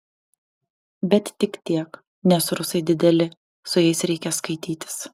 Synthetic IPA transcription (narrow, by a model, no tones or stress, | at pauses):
bʲɛt̪t̪ʲɪkt̪ʲiɛk | nʲɛsɾʊsɐɪd̪ʲɪd̪ʲɛlʲɪ | sʊjɛɪsɾʲɛɪkʲɛskɐɪt̪ʲiːt̪ʲɪ̥s